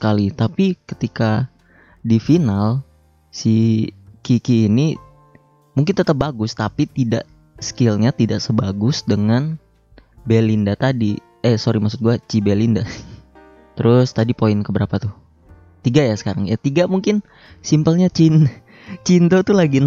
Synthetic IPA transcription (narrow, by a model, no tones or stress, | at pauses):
kalit̪apikə̥t̪ika | difinal | sikikiːni | muŋkɪnt̪ət̪əp̚baɡʊst̪apit̪ida̰ʔ | skɪlɲat̪idaʔsəbaɡʊsdəŋan | belindat̪adi | ɛsoɾimaks̬ʊt̪̚ɡuat͡ʃibelinda | t̪əɾʊst̪adipoɪnkəbəɾapat̪ʊ | t̪iɡajasə̥kaɾaŋjat̪iɡamuŋkɪn | simpəlɲat͡ʃin | t͡ʃint̪ot̪ulaɡin